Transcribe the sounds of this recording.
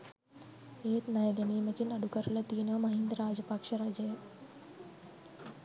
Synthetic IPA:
et̪najɡəniːməkiːnɐɽukəɾlat̪iːnʋəməɦind̪ɾad͡ʑəpakʂəɾad͡ʑəj

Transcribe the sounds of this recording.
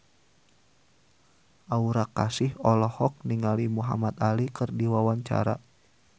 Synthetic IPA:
ʔauɾakasɪhɔlɔhɔk̚niŋalimuɦa̰mat̪alikɨrdiwawaɲt͡ʃa̰ɾa̰

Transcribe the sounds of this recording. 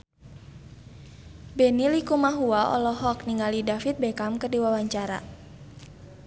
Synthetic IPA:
bɛnilikumaɦuaʔɔ̰lɔɦɔk̚niŋalidafit̪̚bɛkamkərdiwawaɲt͡ʃaɾa̰

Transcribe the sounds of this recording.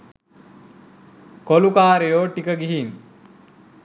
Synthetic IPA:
kolukaːɾejoːʈikəɡiɦin

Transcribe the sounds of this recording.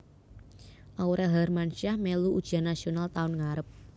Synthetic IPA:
ʔawɾʔɛɦarmanʃiahmeluud̥ʒ̥anasionalt̪aʊnŋaɾəp̚

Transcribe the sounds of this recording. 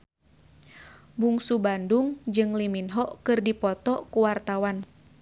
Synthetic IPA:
buŋsubanduŋd͡ʒɨŋliminɦɔʔkɨrdipɔt̪ɔkuwart̪awan

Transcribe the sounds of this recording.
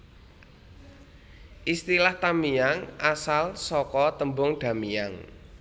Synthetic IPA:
ʔist̪ilaht̪amijaŋʔasalsɔkɔt̪əmbʊŋɖ̥a̤mijaŋ

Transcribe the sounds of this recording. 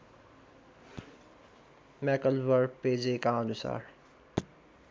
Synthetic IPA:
mɛːkəlʋəɾpeːd͡ʒeːkãːnʊsa̰ːɾ

